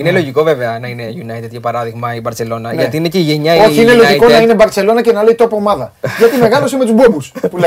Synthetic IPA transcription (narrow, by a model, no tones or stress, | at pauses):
inelo̞ʝiko̞ve̞ve̞ɐnɐine̞ʝunɐit̪ed̪ʝɐpɐɾɐðiɣmɐibɐɾt͡se̞lo̞nɐnɐt̪iineceiʝeɲɐio̞çiinelo̞ʝiko̞nɐine̞bɐɾse̞lo̞nɐcenɐleit̪o̞pomɐðɐʝɐt̪ime̞ɣɐlo̞simet̪uzbo̞buspule